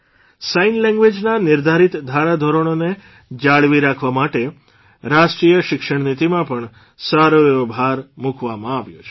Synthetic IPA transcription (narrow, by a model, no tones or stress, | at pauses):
sainlɛ̃ŋɡʋed͡ʒnanɪɾd̪ʱaɾit̪d̪ʱaɾad̪ʱoɾoɽ̃one | d͡ʒaɭʋiɾakʰʋamaʈe | ɾaʃʈɾijəʃɪkʃəɳnit̪imãpəɳ | saɾobʱaɾmukʰʋamãaʋjot͡ʃʰ